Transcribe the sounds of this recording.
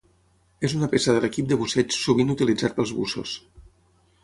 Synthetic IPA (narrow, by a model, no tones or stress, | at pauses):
ezunəpesəðələkip̚d̪əβusɛt͡ʃsuβinut̪ilid͡zat̪̚pəlˠzβusṵs